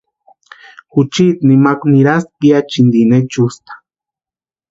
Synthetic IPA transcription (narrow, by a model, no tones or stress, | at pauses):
xut͡ʃit̪̚nimakniɾas̚piat͡ʃind̪inet͡ʃust̪ḁ